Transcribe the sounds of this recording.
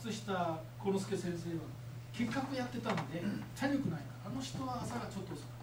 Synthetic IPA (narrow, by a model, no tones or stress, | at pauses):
t͡sɨɕi̥t̪a | konosɨ̥ke̞sẽ̞ɰ̃se̞ːβa | ke̞kːakɯjat̪ːe̞t̪anod̪et͡ɕaɾʲo̞kɯ̟naikaɾːno̞çi̥t̪o̞βaːsaɡat͡ɕo̞t̪ːos